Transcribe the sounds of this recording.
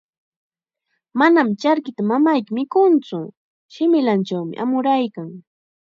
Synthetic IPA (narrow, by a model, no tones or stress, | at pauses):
manamt͡ʃaɾkɪt̪amamajkɪmɪkʊnt͡sʊ | ʃɪmɪlant͡ʃawmɪ̰ʔa̰mʊɾajkaŋ